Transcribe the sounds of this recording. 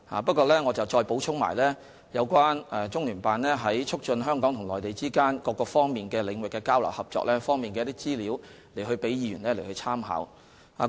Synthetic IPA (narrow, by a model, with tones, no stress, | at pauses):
ha̰ː˨˩pɐ˥t̚kʷɔː˧lɛː˥ŋɔː˨˧t͡sɐ˨wt͡ʃɔː˧jpo˨˥wt͡ʃʰʊ˥ŋma̰ː˨˩jlɛː˥ | jɐ˨˧wkʷaː˥nɛ˨t͡sʊ˥ŋlyː˨˩npaː˨nlɛː˥ɦɐ˨˥jt͡ʃʰʊ˥k̚t͡ʃɵ˧nɦœː˥ŋkɔː˨˥ŋt̪ʰʊ˨˩ŋlɔː˨jt̪e˨jt͡siː˥kaː˥nkɔː˧kːɔː˧fɔː˥ŋmiː˨nkɛː˧lɪ˨˧ŋwɪ˨kːɛː˧kaː˥wlɐ̰˨˩whɐ˨p̚t͡ʃɔ̰ː˧k̚lɛː˥fɔː˥ŋmiː˨nkɛ˧jt̪iː˥t͡siː˥liː˨˥w | le˨˩jɦɵ˧ɥpe˨˥jiː˨˧jyː˨˩nlɛː˥le˨˩jhɵ˧t͡sʰaː˥mɦa̰ː˨˥w | a̰ː˨˧